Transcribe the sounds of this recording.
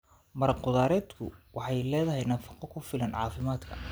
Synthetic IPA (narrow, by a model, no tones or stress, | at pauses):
mɐɾɑqʊðaːɾɛːd̪kʰʊ̰wɑħɑjlɛːðɐɦɛjnɐfɑ̥qɔkʰʊfɪlɐnʕɑ̰ːfɪmaːd̪kʰɐ̰